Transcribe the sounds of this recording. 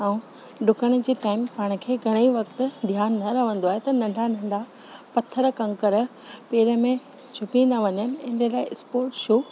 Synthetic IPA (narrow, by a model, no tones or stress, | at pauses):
aːũ | ɗʊkəɽ̃ʊ̆d͡ʑiːʈaːɪmpaːɪɽ̃ə̆kʰeːɡʱɐɽ̃eiʋɐkt̪ʊ̆d̪ʱjaːnːɐɾɐʋə̃nd̪oaːɦet̪ɐnɐ̃ɳɖʱanɐ̃ɳɖʱa | pɐt̪ʰəɾkɐ̃ŋkəɾ | peːɾə̆mẽ | t͡ɕʰʊpĩnd̪aʋɐɲənɪ̆ɪ̃ɖəlaːɪʔɪspoːɾʈʃuː